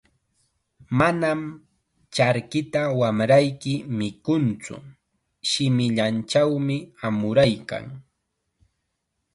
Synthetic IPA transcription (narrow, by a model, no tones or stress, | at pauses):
manam | t͡ʃaɾkɪt̪awamɾajkɪmɪkʊnt͡sʊ̰ | ʃɪmɪʎant͡ʃawmɪamʊɾajka̰ŋ